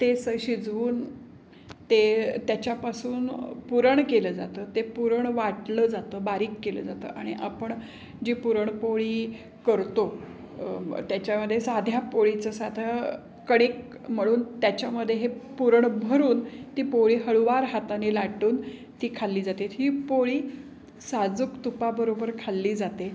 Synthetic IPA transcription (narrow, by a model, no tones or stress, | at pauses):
t̪esəɕid͡zʋuːn | t̪et̪jat͡ɕjapasuːnpuɾəɳkeləːd͡zat̪əːt̪epuɾəɳʋaʈləːd͡zat̪əːbaɾiːkːelə̰ːd͡zat̪ə̰ːʔaɽ̃iʔapəɳ | d͡ʑiːpuɾəɳpoɭiː | kəɾt̪o | t̪jat͡ɕaməd̪ʱːjesad̪ʱjapoɭit͡səsad̪ʱə | kəɽ̃ek | m̤əɽ̃uːnt̪jat͡ɕjaməd̪ʱːjeɦepuɾəɳbʱəɾuːnt̪iːpoɭiːɦəɭʋaɾɦat̪anelaʈuːn | t̪iːkʰalːiːd͡zat̪et̪ɦiːpoɭiː | sad͡zukt̪upabəɾobəɾkʰalːiːd͡zat̪e